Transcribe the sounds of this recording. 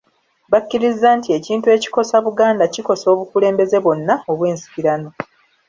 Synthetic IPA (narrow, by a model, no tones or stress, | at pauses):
βakːiɾizːaːntie̞ciːntue̞ːci̥ko̞saβuɡaːndaciko̞so̞ːβukule̞ːmbe̞ze̞βo̞nːao̞βwe̞ːnsi̥kiɾano̞